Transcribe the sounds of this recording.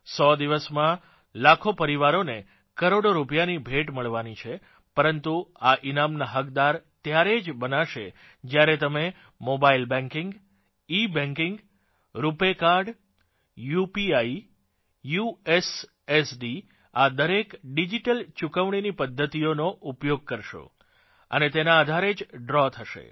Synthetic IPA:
sɔd̪iʋəsmã | lakʰopəɾiʋaɾone | kəɾoɽoɾupjanibʱeʈməɭʋanit͡ʃʰe | pəɾənt̪uaʔinamnaɦəkd̪aɾt̪jaɾed͡ʒbənaʃe | d͡ʒjaɾet̪əme | mobailbɛ̃ŋkɪ̃ŋɡ | ibɛ̃ŋkɪŋɡ | ɾupekaɾɖ | jupiai | jues | esɖi | ad̪əɾekɖid͡ʒiʈəlt͡ʃukəʋɳ̃inipəd̪ʱːət̪ionoʔupjoɡ̚kəɾʃo̰ | ə̰net̪enaːd̪ʱaɾed͡ʒɖɾɔt̪ʰəʃḛ

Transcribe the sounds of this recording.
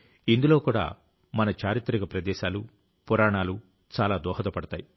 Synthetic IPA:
ind̪ulo̞ːkuːɽa̰ː | mɐnɐt͡ʃaːɾit̪ɾiɡɐpɾɐd̪ɛːʃaːlu | pɔɾaːɳaːlu | t͡ʃaːlaːd̪ɔːɦɐd̪ɐpɐɽɐt̪aːji

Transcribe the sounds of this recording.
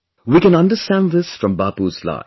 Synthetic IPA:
wiːkɛ̃nʌ̃nɖəstæ̃nðɪsfɾɔ̃mbaːpuːzla̰ɪ

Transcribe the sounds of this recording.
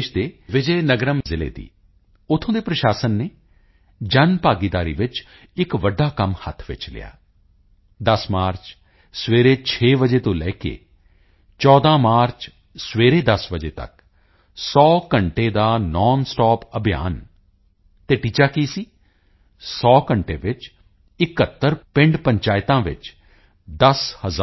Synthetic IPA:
ʃd̪eːʋɪd͡ʒeːnəɡɾəmzɪlḛːd̪ḭː | ʊt̪ʰːõːd̪eːpɾəʃaːsənːeː | d͡ʒənpaːɡɪd̪aːɾḭːʋɪt͡ʃ | ɪkʋəɖːaːkəmhət̪ʰʋɪ̰t͡ʃlɪ̰ja̰ː | d̪əsmaːɾt͡ʃ | sʋeːɾeːt͡ʃʰeːʋəd͡ʒeːt̪õːlɛːkḛː | t͡ʃɔːd̪ãːmaːɾt͡ʃ | sʋeːɾeːd̪əsbəd͡ʒeːt̪ə̰k | sɔːkəɳʈeːd̪aːnɔːnsʈɔːpəbʱija̰ːn | t̪eːʈiːt͡ʃaːkiːsiː | sɔːkəɳʈeːʋɪt͡ʃ | ɪkət̪ːəɾpɪ̃ɳɖpəɲt͡ʃaːɪt̪ãːʋɪ̰t͡ʃ | d̪əshəz

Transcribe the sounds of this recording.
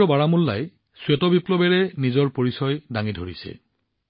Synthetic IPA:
ɔbaɹamulːa̰j | swɛtɔbiplɔbɛɹɛnizɔɹpoɹisɔjdaŋidʱoɹisɛ̰

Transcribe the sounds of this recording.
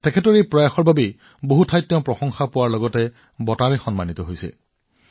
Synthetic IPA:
tɛkʰɛtɔɹipɹɔjaxɔɹbʱabe | boɦutʰajtːjɔ̃pɹɔxɔŋxapʊwaɹlɔɡɔtɛ | bɔtaɹɛxɔnmanit̪ɔɦojsɛ̰

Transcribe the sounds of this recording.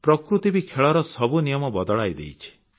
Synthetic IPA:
pɾɔkɾut̪ibikʰeɭɔɾɔsɔbunijɔmɔbɔd̪ɔɭajd̪ḛjt͡ʃʰi̥

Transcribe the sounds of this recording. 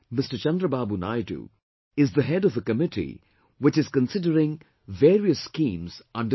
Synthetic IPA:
mɪsʈət͡ʃʌ̃nd̪ɾəbaːbuna̰jʈṵ | ɪzd̪əɦɛɖɔvəkəmɪʈʰḭ | wɪt͡ʃɪzkə̃nsɪɖəɾɪ̃ŋ | ʋeːɾiəsːkĩːmz̥ʌ̃ɳɖə

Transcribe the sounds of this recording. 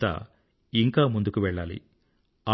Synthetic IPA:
a̰ | iŋkaːmund̪ukuʋɛɭːaːlḭ | a

